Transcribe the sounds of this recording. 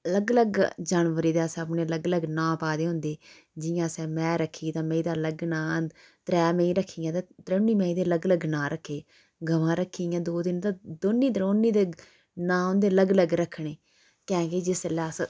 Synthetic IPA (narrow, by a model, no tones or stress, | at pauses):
ələɡləɡd͡ʒaːnʋəɾiːd̪aːsəpɳeːələɡləɡnãːpaːd̪eːɦʊ̃nd̪eː | d͡ʒɪjãːsɛːmɛ̃ːɾəkʰːiːt̪ãːmẽiːd̪aːləɡnãː | t̪ɾɛːmẽĩːɾəkʰːiːjãːt̪ãːt̪ɾənːiːmẽĩːd̪eːləɡləɡnãːɾəkʰːeː | ɡəʋãːɾəkʰːiːjãːd̪oːd̪ɪnt̪ãːd̪oːnːiːd̪ɾoːnːiːd̪ | nãːɦʊ̃nd̪eːələɡləɡɾəkʰːɽeː | kɛ̃ːɡeːd͡ʒɪslɛːs